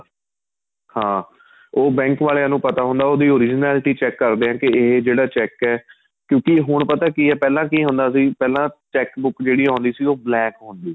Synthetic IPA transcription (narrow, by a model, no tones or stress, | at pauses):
hãː | oːbɛ̃ːŋkʋaːleːãːnũːpət̪aːɦʊ̃nd̪aːoːd̪iːoːɾɪd͡ʒnɛːlʈiːt͡ʃɛːkːəɾd̪eːɦãːkɪeːd͡ʒeːɽaːt͡ʃɛːkːɛː | kjõːkɪɦʊɳpət̪aːkiːɛːpɛːlãːkiːɦʊ̃nd̪aːəs̬ĩːpɛːlãːt͡ʃɛːkbʊkd͡ʒeːɽiːãːnd̪iːsiːoːblɛːkɦõːnd̪iː